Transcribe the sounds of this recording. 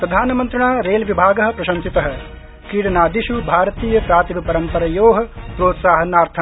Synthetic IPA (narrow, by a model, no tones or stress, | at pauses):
pɾɐd̪ʱaːnɐmɐnt̪ɾɐɳaːɾeːlʋibʱaːɡɐɦɐ̆pɾɐʃɐnsit̪ɐɦɐ̆ | kiːɽɐnaːd̪iʃubʱaːɾɐt̪iːjɐpɾaːt̪ibɐpɐɾɐmpɐɾɐjoːɦɐ̆pɾoːt̪saːɦɐnaːɾt̪ʰɐ